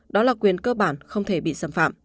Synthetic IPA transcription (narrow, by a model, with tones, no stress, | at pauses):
ɗɔ˨˦laː˨˩kwi˨˩ənkəː˧ɓaː˧˩nxə˧wŋ͡mt̪ʰe˧˩ɓḭ˧˨saː˧˩mfa̰ː˧˨m